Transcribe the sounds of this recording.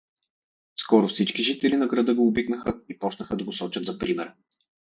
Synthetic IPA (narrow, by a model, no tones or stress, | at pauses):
skɔɾʊfsit͡ʃkiʒit̪ɛlinɐɡɾɐd̪ɤɡoːbiknəxəipɔt͡ʃnəxəd̪ɐɡosɔt͡ʃət̪zɐpɾimɛɾ